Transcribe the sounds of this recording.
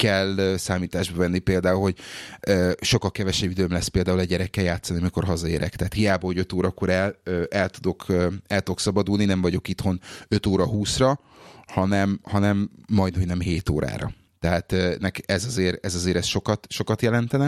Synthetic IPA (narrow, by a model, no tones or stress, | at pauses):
kɛløsaːmiːt̪aːʒbɒvɛnːipeːld̪aːulho̞ɟøːʃo̞kːɒlkɛvɛʃɛbːid̪øːmlɛspeːld̪aːulɛɟːɛɾɛkːɛjaːt̪sːɒniɒmiko̞rɦɒzɒeːɾɛ̰kt̪ɛɦaːt̪hijaːbɒho̞ɟø̞t̪oːɾɒkoɾɛløʔɛlt̪ud̪o̞kʰøːɛlt̪uoksɒbɒd̪ulninɛɱvɒɟo̞kit̪ho̞nø̞t̪oːɾɒɦuːsrɒ | hɒnɛmhɒnɛmːɒjd̪ho̞nɛmɦeːt̪o̰ːɾʔa̰ːɾɒ̰ | t̪ɛɦaːt̪ønɛkɛzɒzeːɾɛzɒzeːɾɛsʃo̞kɒt̪ʃo̞kɒt̪jɛlɛnt̪ɛnɛ